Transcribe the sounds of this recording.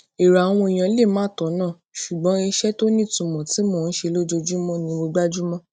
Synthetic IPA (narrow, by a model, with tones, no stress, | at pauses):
e˨ɾa˨a˨w̃ɔ̃˧˨j̃ã˨˦le˦˨mãː˦˨tɔ˨˦nã˦˨ | ʃu˨ɡ͡bɔ̃˨˦i˧˦ʃɛ˦to˦nĩ˦˨tũ˨mɔ̃˨ti˨˦moː˦˨n̩˦ʃe˧lo˦d͡ʒo˧d͡ʒu˦mɔ̃˦nĩ˧˦mo˧ɡ͡ba˦d͡ʒu˦mɔ̃˦